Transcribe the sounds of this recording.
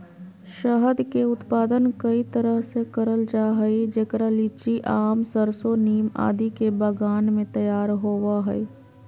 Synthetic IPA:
ʃəɦəd̪keʊt̪paːd̪ənkəit̪əɾəɦsekəɾəld͡ʒaːɦəid͡ʒeːkɾaliːt͡ʃiʔaːmsəɾsoniːma̰ːd̪ikebəɡaːnmẽt̪ɐjaːɾɦoːʋaɦɛ̰i

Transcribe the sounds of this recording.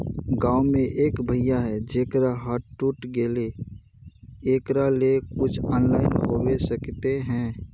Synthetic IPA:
ɡaːʊmẽʔeːkbʱəɪjaɦɛd͡ʒeːkɾaɦaːʈʈʊʈɡeːle | eːkɾalekʊt͡ʃʰɔːnlaːɪnɦoːwesəkt̪eɦɛ̃ː

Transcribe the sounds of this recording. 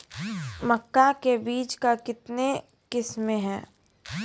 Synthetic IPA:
mɐkːakebiːt͡ʃkakɪt̪ne | kɪsmẽɦɛː

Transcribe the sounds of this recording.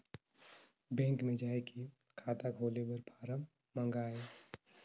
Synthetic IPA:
bɛ̃ːŋkmẽd͡ʒaːeki | kʰaːt̪akʰoːlebəɾpʰaːɾəm | mə̃ŋɡaːe

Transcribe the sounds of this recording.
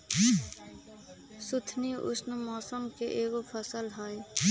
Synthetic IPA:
sʊt̪ʰniʔʊ̰snmɔːsəmkeʔeːɡopʰəsəlɦaːi

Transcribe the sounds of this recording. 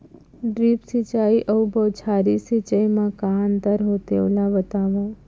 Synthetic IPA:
ɖɾipsit͡ʃaiʔəʊbʱəʋt͡ʃʰaɾisit͡ʃəjmãkand̪əɾɦot̪ḛʋlaʋət̪aʋõ

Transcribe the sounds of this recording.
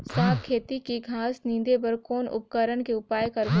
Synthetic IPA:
saːbkʰeːt̪ikiɡʱaːsnĩːd̪epɐɾkoːnʊ̰p̚kəɾəɽkeʊpaːjkɐɾ

